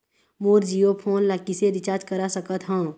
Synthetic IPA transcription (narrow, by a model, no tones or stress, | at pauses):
muːɾd͡ʒiːjopʰoːnlakiseɾɪt͡ʃaːɾd͡ʒkəɾasəkət̪ɦãː